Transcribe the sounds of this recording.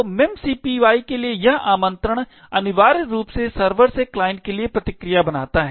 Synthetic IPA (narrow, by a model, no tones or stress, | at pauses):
omɛmsiːpiʋaːikeliejɐɦʔaːmə̃nt̪ɾəɽ̃ | ɐnɪʋaːɾɾuːpsesɐɾʋəɾseklaːɪ̃ɳɖkeliepɾɐt̪ɪkɾijabɐna̰ːt̪aɦɛː